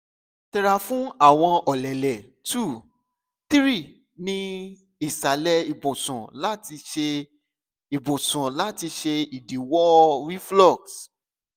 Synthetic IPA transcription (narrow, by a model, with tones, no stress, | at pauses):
tɛ˨ɾa˨fũ˦a˦˨w̃ɔ̃˧ɔ˨lɛ˨lɛ˨ | tu˦˨ | t̪ɾi˦˨ | nĩ˦ | i˨sa˨˦lɛ˧i˨bõ˨sũ˨la˦ti˧ʃe˧ | i˨bõ˨sũ˨la˨˦ti˧ʃe˧i˨di˨wɔ˦ɾi˦flɔ˦˨ks